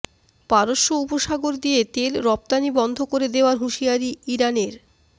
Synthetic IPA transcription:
paɾoʃːoupoʃaɡoɾd̪iet̪elɾɔp̚t̪anibɔnd̪ʱokoɾed̪eoaɾɦuʃiaɾiiɾaneɾ

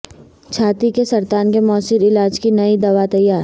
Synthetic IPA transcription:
t͡ʃʰaːt̪ikesɐɾt̪aːnkemɔːsɪɾɪlaːd͡ʒkinɐid̪ɐʋat̪ɐjːaːɾ

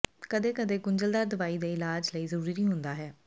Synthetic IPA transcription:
kəd̪eːkəd̪eːɡʊɲd͡ʒəld̪aːd̪əʋaːiːd̪eːɪlaːd͡ʒləiːzəɾuːɾiːnĩːɦʊnd̪aːɦɛː

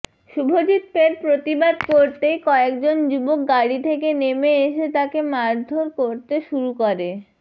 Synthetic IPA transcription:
ʃubʱod͡ʑit̪̚feɾpɾot̪ibad̪koɾt̪ejkɔekd͡ʑond͡ʑubok̚ɡaɽit̪ʰekenemeeʃet̪akemaɾd̪ʱoɾkoɾt̪eʃuɾukoɾe

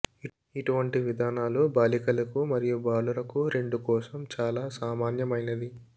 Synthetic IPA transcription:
iʈuʋɐɳʈiʋid̪ʱaːnaːlubaːlikɐlɐkumɐɾijubaːluɾɐkuɾe̞ɳɖukɔːsɐmt͡ʃaːlaːsaːmaːnjɐmɐjnɐd̪i

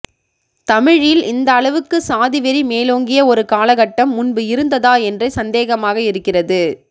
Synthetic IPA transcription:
t̪ɐmɪɻɪlɪnd̪ɐːɭɐʋɯkːɯsaːðɪʋɐɾimeːloːŋɡɪjɐɔɾɯkaːlɐɣɐʈːɐmːʊnbɯɪɾɯnd̪ɐðaːɛndrɐɪsɐnd̪eːɣɐmaːɣɐɪɾɯkːɪrɐðɯ

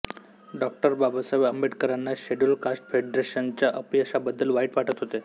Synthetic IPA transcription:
ɖɔk̚ʈəɾbabasaʋəmbeʈkəɾanːaɕeɖulkasʈfeɖɾeɕənt͡ɕjaʔəpiəsabəd̪ːəlʋaiʈʋaʈət̪ɦot̪e

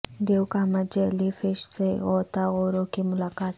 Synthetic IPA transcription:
d̪ewkaːmad͡ʒelifɪʃseot̪aɣoɾokimʊlakaːt̪

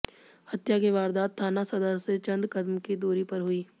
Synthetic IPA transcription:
hɐt̪jakeʋaːɾd̪aːt̪̚t̪ʰːaːnasɐd̪əɾset͡ʃɐ̃nd̪kɐd̪mked̪oːɾipɐɾɦʊiː

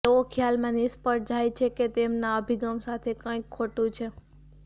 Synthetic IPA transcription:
eokʰjalmãnɪspəɾ̚d͡ʒajt͡ʃʰeket̪emnaəbʱiɡəmsat̪ʰekə̃ikʰːoʈũt͡ʃʰe

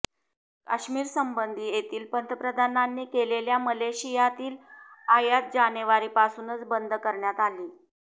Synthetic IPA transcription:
ka̰ɕmiːɾsəmbənd̪ʱiːjet̪iːlpənt̪əpɾəd̪ʱananːiːkeleljaməleɕijat̪iːlajat̪̚d͡ʑanəʋaɾiːpasuːnət͡sbənd̪ʱkəɾɳjat̪aliː

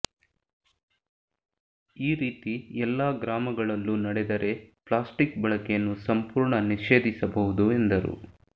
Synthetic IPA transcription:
iːɾiːt̪iɛlːaːɡɾaːmɐɡɐɭɐlːunɐɽɛd̪ɐɾe̞pɭaːsʈikbɐɭɐkejɐnːusɐmpuːɾɳɐniʃe̞ːd̪isɐbɐɦud̪ue̞nd̪ɐɾṵ

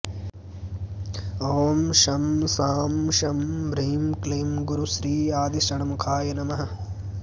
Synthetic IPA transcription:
ɐʋmʃɐmsaːmʃɐmbɾɐɦimkleːmɡuɾuʃɾiːaːd̪iʃɐɳɐmukʰaːjɐnɐmɐɦɐ̆

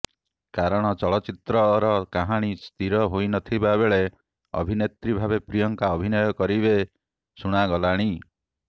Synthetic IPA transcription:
kaɾɔɽ̃ɔt͡ʃɔɭɔt͡ʃit̪ɾɔɾɔkaɦaɽ̃ist̪iɾɔɦojnɔt̪ʰibabeɭe | ɔ̰bʱinet̪ɾibʱabepɾijɔŋkaɔbʱinɔjɔkɔɾibe | suɽ̃aɡɔlaɽ̃i

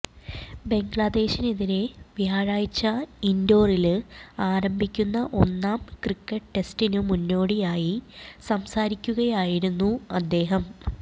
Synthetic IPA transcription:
be̞ŋɡɭɐd̪e̞ːɕineðiɾe̞ʋijaːɻaːjit͡ɕːɐindo̞ːrilaːɾɐmbʱikʲːunːɐʔo̞nːaːmkrikːɐʈʈe̞stinumunːo̞ːɽijaːjisɐmsaːɾikʲːuɣɐjaːjiɾunːuɐd̪ːe̞ːɦɐm

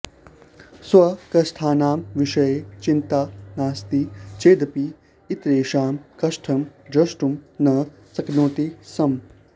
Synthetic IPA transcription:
swɐkɐsʈ̪ʰaːnaːmʋiʃɐjet͡ʃint̪aːnaːst̪it͡ʃeːd̪ɐpiː | t̪ɾeːʃaːmkɐʃʈʰɐmd̪ɾɐʃʈumnɐ | sɐknoːt̪isɐm

